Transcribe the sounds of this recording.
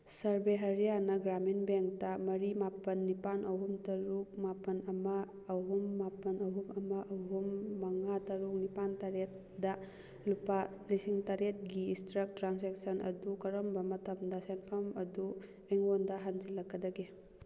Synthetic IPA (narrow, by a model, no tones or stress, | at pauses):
sɐɾbeɦɐɾjanɐɡɾaminbeŋk̚tɐmɐɾimapɐnːipanʔɐɦumtɐɾuk̚mapɐnɐmɐː | ɦumːapɐnɐɦumɐmɐʔɐɦumːɐŋatɐɾuk̚nipantaɾet̚ | dɐ | lupalisiŋtaɾet̚ɡiːstɾɐk̚tɾans̬eksɐnʔɐ̰dukɐɾombɐmɐtɐmdɐsenpʰɐmɐdu | eŋondɐɦand͡ʒilɐkːɐdɐɡe